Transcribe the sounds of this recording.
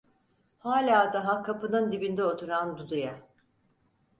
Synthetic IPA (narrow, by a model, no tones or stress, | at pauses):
haːlʲaːd̪aɦakʰːapɯnɯnd̪ibind̪ɛo̞t̪ʰuɾand̪ud̪uja